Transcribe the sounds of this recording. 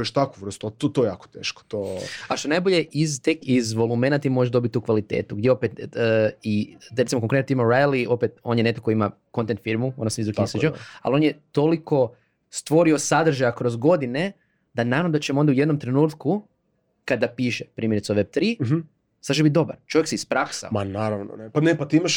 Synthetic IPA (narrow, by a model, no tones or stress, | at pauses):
oeʃt̪akuʋr̩st̪ut̪ot̪ojjaːko̥t̪ḛːʃko̥t̪oaʃt̪onajboʎeʔizt̪ekizʋo̞lˠumenat̪imo̞ʒeʒd̪o̞bit̪ːukʋalit̪ḛːt̪uɡd̪jeo̞pet̪ː | iɾe̞t̪imokoŋkɾet̪t̪imoɾajlio̞pet̪o̞njenet̪okoima | ko̞nt̪ent̪fiɾmuonasaizɾuk̪inised͡ʒea̰lo̞njet̪o̞liko̞ | st̪ʋo̞ɾio̞sad̪r̩ʒajakɾo̞zɡo̞d̪ine̞ | d̪anaɾaʋnod̪at͡ʃemo̞nd̪auje̞d̪nomt̪ɾenuːt̪ku | kad̪apiːʃepɾiːmjeɾit̪soʋeb̚t̪ɾi | sad̪t͡ʃ̬eit̪̚d̪o̞baɾt͡ʃo̞ʋjeksispɾaksa̰omanaɾaʋno̰nepanepat̪iimaʃ